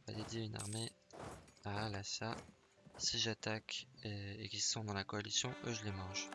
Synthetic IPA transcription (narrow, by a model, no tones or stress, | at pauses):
va̰d̪ed̪jeyna̰ʁme | aːlasa | siʒat̪ak | ekʲisɔ̃d̪ɑ̃lakɔalisjɔ̃ʔøʒəlemɑ̃ʒ